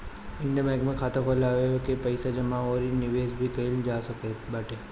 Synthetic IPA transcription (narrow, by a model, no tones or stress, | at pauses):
ɪ̃ɳɖamaːkmẽkʰaːt̪akʰolaːʋeokepɐɪsad͡ʒɐmaoːɾinɪʋeːsbʱikɐɪld͡ʒaːsɐkebaːʈe